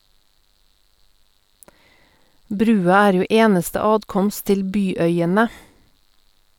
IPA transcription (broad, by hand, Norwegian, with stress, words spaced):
ˈbɾʉːɑ ˈæːɾ ˈjuː ˈeːnəstə ˈɑːtˌkɔmst ˈtɪl ˈbyːˌœʏənə